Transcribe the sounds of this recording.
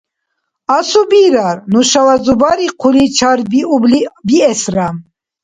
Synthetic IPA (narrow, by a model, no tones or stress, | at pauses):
asubiɾaɾnuʃavazubaɾiqʰulit͡ʃʰaɾbiublibiɛsɾam